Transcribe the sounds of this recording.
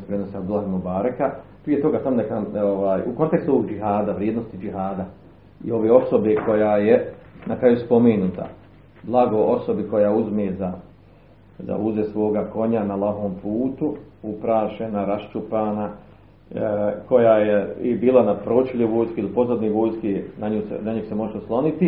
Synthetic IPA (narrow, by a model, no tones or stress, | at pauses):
pɾenosad̪ulˠaɦimubaːɾakapɾie̞t̪o̞ɡaːsamonekaoʋaːjuko̞nt̪ekst̪uoʋoɡd͡ʒiɦaːd̪aʋɾjeːd̪nost̪id͡ʒiɦaːd̪a | ḭo̞ʋeːo̞so̞bekʰo̞jaːjenakɾajuspo̞menut̪a̰ | blˠaɡo̞ʔo̞so̞biko̞jaːuzmeːza | za̰uzesʋo̞ːɡako̞ɲanalaɦoːmpʰuːt̪uupɾaːʃenaɾaʃt͡ʃupaːna | ko̞jaːjeibiːlanapɾot͡ʃeʎeʋo̞ːjskilipo̞zad̪niʋo̞ːjskinaɲuːsḛnaɲisemo̞ʒeosklˠo̞nit̪i